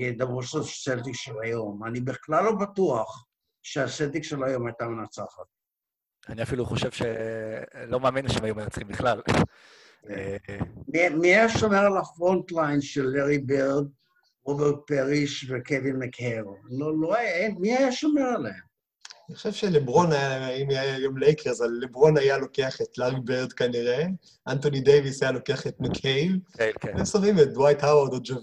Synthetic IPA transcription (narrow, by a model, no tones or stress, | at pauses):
ed̪abʁuʃoseld̪ikʃelajo̞manibiχlalːo̞batuaχ | ʃeased̪ikʃelajo̞majt̪amenat͡saχat̪̚ | aniafiluχoʃevʃḛ | lo̞maaminlaʃemajumenat͡sχimbiχlal | emimiajaʃo̞meʁalafʁont̪lajnʃelːeʁibeʁd̚ | ʁobeʁt̚peʁiʃvekevinmekevololoajaemiajaʃomeʁaleem | aniχoʃevʃelebʁo̞najaaimajajo̞mlejkʰeʁzalːebʁo̞najalo̞keaχetleʁibeʁd̪kaniʁe | ʔantonidejvisajalo̞keaχetmekʰejvvesovimedwajthawaʁd̪od͡ʒov